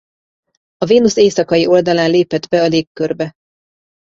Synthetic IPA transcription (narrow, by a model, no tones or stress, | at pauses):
ɒveːnuseːsɒkɒjiʔo̞ld̪ɒlaːnleːpɛd̪bɛɒleːkːørbɛ